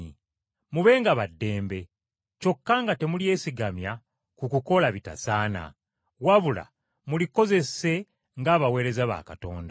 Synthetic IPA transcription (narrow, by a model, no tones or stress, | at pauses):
i | muβe̞ːŋɡaβadːe̞ːmbe̞ | co̞kːaːŋɡate̞mulie̞ːsiɡamja | kukuko̞laβita̰saːna̰ | waβula̰ | muliko̞ze̞se̞ | ŋɡaːβawe̞ːɾe̞zaβa̰ːkato̞ːnda